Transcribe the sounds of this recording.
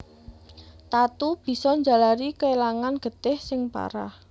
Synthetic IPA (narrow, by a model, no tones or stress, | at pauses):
t̪at̪ub̥i̤sɔɲd͡ʒa̤laɾikəelaŋanɡ̥ə̤t̪ɪhsɪŋpa̰ɾa̰h